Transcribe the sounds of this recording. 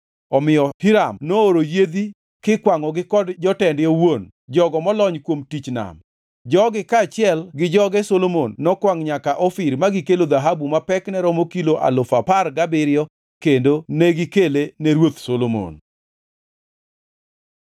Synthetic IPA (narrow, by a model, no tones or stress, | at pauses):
ɔmɪjɔpiɾamnooɾojed̪i | kɪkwaŋɔɡɪkɔdd͡ʒɔtɛndjowon | d͡ʒɔɡɔmɔlɔɲkwomtit͡ʃna̰m | d͡ʒɔɡɪkat͡ʃɪɛlɡɪd͡ʒɔɡɛsolomonːɔkwaŋɲakaʔɔfɪɾmaɡɪkelod̪aɦabumapɛknɛɾɔmokiloʔa̰lʊfaparɡabɪɾjɔ | kendonɛɡɪkelenɛɾwot̪solomo̰n